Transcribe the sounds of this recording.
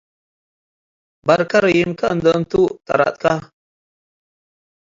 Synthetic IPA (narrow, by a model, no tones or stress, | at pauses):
bɐɾkaɾjimkand̪ənt̪ut̪ʼa̰ɾa̰t̪̚ka